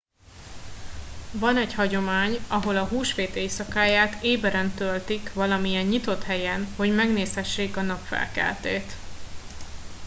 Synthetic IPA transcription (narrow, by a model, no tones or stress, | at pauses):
vɒnɛɟhɒɟo̞maːɲɒɦo̞lɒɦuːʃfeːt̪eːsɒkaːjaːt̪eːbɛɾɛnt̪ølt̪ikʋɒlɒmijɛɲːit̪o̞t̪hɛjɛnho̞ɟmɛɡneːshɛʃːeːkɒnɒpfɛ̰lkɛ̰lt̪ḛːt̪